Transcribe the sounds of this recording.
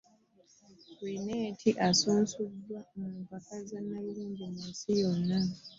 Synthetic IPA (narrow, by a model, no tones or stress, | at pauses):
wineːtʰiʔasoːnsudːwamuːmpakazamaiɾiːmbomisijonːa